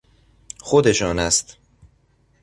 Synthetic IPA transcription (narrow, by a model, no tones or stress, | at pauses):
xod̪eʃɒːnæst̪